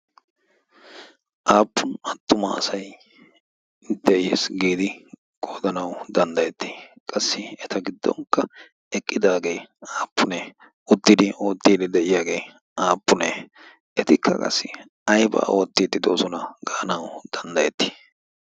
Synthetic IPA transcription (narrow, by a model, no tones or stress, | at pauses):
ʔaːpːʊnɐt̪ːʊmɐ̰ːsɐj | d̪ɛʔɪjḛːsɡiːd̪ɪ | ɡ̥oːd̪ɐnɐwd̪ɐnd̪ɐjɛt̪ːɪ̥kʼɐsːɪɛt̪ɐɡɪd̪ːɔ̰ŋkːɐ | ɛkʼːɪd̪aːɡe̞jaːpːʊne | ʊd̪ːɪd̪ɪo̞ːt̪ːiːd̪ɪd̪ɛʔɪjaːɡe̞j | ʔaːpːʊneː | ʔɛt̪ɪkːɐ̰kʼɐ̰sːɪ | ɐjbɐ̰ːʔoːt̪ːiːd̪ːɪd̪o̞ːsɔnɐɡaːɐnɐwd̪̥ɐnd̪ɐjɛt̪ːɪ̥